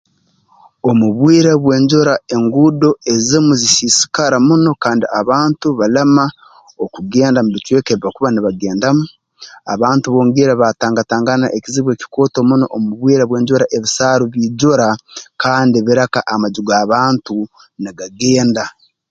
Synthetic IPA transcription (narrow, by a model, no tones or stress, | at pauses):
o̞muβwiːɾaβwe̞ːɲɟoɾae̞ŋɡudo̞e̞zimuzisisi̥kaɾamuno̞kaːndiaβaːntuβalama | okuɡe̞ːndamuβit͡ʃwe̞ːkeβiβakuβaniβaɡe̞ːndamu | a̰βaːntuβoːŋɡiɾaβataːŋɡataːŋɡana̰ʔeciziβwe̞ːci̥ko̞ːto̞muno̞ʔomuβwiːɾaβwe̞ːɲɟoɾaʔe̞βisaːɾuβiːɟoɾakaːndiβiɾakaʔamaɟuɡaːβaːntu | niɡaɡe̞ːnda